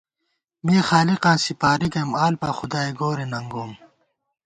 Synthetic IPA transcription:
meːxaːliqãːnsipaːɾikemaːlpaːxud̪aːeɡoːɾenɐŋɡoːm

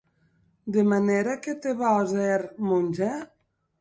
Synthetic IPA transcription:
d̪emaneɾaket̪eβaozeɾmunʲʒɛ

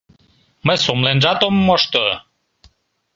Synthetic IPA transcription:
məjsomlenʒɑt̪omːoʃt̪o

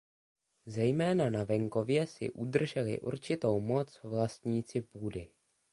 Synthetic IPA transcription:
zɛjmɛːnanavɛŋko̞vjɛsɪ̰ʔud̪r̩ʒɛlɪ̰ʔṵɾt͡ʃɪt̪o̞wmo̞t͡svlast̪ɲiːt͡sɪpuːdɪ

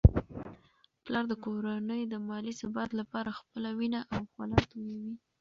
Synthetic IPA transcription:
plɑɾd̪əkoɾanəjod̪əmɑlisabɑt̪lapɑɾaxpəlawinaʔawxwalɑt̪ojawi

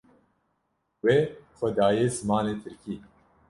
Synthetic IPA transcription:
weːxʷɐd̪aːjeːzɨmaːneːt̪ʰɨɾkiː

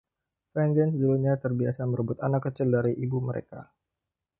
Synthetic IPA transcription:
fɛnd͡ʒɛnsəd̪uɾumɲat̪ərbia̰saməɾəbʊt̪anakːət͡ʃɪldaɾiʔibuməɾḛka̰

